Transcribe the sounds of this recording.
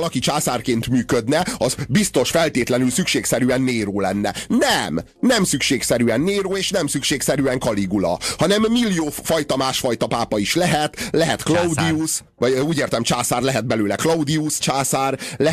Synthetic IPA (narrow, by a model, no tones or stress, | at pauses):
lɒkit͡ʃaːsaːrkeːnt̪myːkød̪nɛɒzbist̪o̞ʃfɛlt̪eːt̪lɛnylsykʃeːksɛɾyɛnːeːɾoːlɛnːɛ̰nɛm | nɛmsykʃeːksɛɾyɛnːeːɾoːeːʃnɛmsykʃeːksɛɾyɛŋkɒliɡulɒ̰hɒnɛmːilːijoːfɒjt̪ɒmaːʃfɒjt̪ɒpaːpɒiʃlɛɦɛt̪lɛɦɛt̪klɒud̪ius | vɒuːɟeːrt̪ɛmt͡ʃaːsaːrlɛɦɛd̪̚bɛløːlɛklɒud̪iust͡ʃaːsaːrlɛ